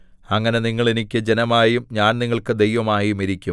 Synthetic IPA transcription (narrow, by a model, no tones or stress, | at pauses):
ɐŋːɐne̞niŋːɐɭenikʲːɨd͡ʑe̞nɐmaːjumɲaːnniŋːɐɭkɨd̪ejʋɐmaːjumiɾikʲːum